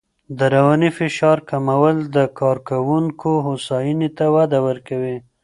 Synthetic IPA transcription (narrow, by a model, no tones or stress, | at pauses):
d̪əɾawanifɪʃɑɾkamawəld̪əkɑɾkawuŋkoɦosɑjinet̪awad̪awəɾkawi